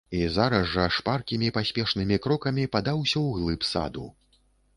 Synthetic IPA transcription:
izaɾɐzːɐʂparkʲimʲipasʲpʲɛʂnɨmʲikɾɔkɐmʲipad̪awsʲɐwɣlˠɨpsa̰d̪u

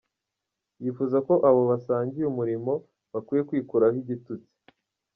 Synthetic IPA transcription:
jifuzako̞ʔaβo̞βasaːɲɟijumuɾimo̞ | βakiːje̞kwiːkuɾahiɟitut͡si̥

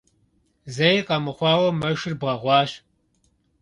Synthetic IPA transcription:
zɐjqɐmɨχʷɑːwɐmɐʃɪrbʁɐʁʷɑːʃ

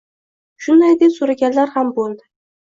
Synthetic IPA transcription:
ʃʊnd̪ajd̪epsoɾaɡʲanlaɾhambolˠd̪ɪ

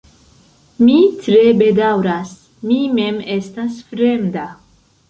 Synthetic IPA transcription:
mitɾebedawɾas | mimemestasfɾemda

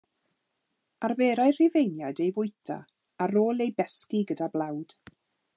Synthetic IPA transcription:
arveːɾajrɪvejnjadejvʊjtʰa̰ | aɾoːlˠejbɛskiɡədablˠawd̥

